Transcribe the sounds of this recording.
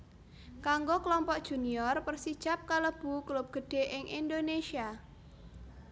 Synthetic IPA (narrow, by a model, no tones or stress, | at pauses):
kaŋɡokəlɔmpɔʔ̚d̥ʒ̥ṳniɔrpərsid̥ʒ̥ap̚kaləb̥ṳklʊp̚ɡ̥ə̤ɖ̥e̤ʔɪŋʔind̪onesia